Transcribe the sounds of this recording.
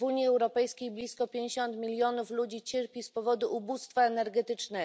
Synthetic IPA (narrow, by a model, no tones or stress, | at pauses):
uɲjiɛwɾɔpɛjskʲejblʲiskɔpʲẽɲd͡ʑeɕɔnt̪mʲilʲjɔnuflud͡ʑit͡ɕeɾpʲispɔvɔd̪uʔːbust̪faɛnɛɾɡɛt̪ɘt͡ʂnɛ